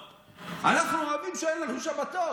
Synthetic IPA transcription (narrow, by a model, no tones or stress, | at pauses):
anaχnuoavimʃeenlauʃabat̪o